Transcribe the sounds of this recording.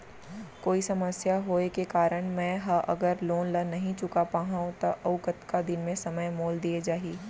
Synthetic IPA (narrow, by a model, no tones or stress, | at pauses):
koːisɐməsjaɦoːekekaːɾəɽ̃mɛ̃ːɦɐʔɐ̰ɡəɾloːnlɐnːɐɦĩt͡ʃʊkapaːɦãːõt̪oʔɐʋʊkət̪kad̪ɪnmẽsɐməjmoːld̪ied͡ʒaːɦiː